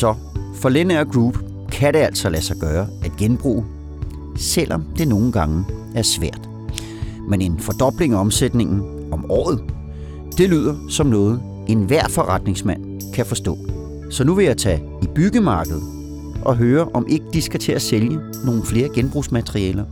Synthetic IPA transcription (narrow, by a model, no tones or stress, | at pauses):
sɒ̽ | fɒ̽d̥enæɐ̰ɡ̥ʁuːb̥ | kʰæɾe̝æl̰sɒ̽læsɑ̈ɪɡ̥ɶːɐæd̥ɡ̥enb̥ʁṵː | sel̰ʔɒmd̥e̝no̝ːn̩ɡ̥ɑ̈ŋ | æɐsʋæɐ̰d̥ | mene̝nfɒd̥ɒ̽b̥le̝ŋɒ̽msed̥ne̝ŋn̩ | ɒ̽mɒ̰ːð̞̩ˠ | d̥e̝lyð̰ˠɐsɒ̽mnɔ̽ːð̞̩ˠ | e̝nʋæɐ̰fɒ̽ʁɑd̥ne̝ŋsmæn̰ | kʰæfɒ̽sd̥ɔ̰̽ː | sɒ̽nuʋe̝jɑ̈ɪt͡sʰɛ̰ | ib̥yɡ̥əmɑ̈ːɡ̥əð̞̩ˠ | ʔɒ̽ɦøːɐʔɒ̽mʔe̝ɡ̥əd̥isɡ̥æt͡sʰe̝æseljə | no̝ːn̩fle̝ːɐɡ̥enb̥ʁusmæt͡sʰʁiɛ̰ːlɐ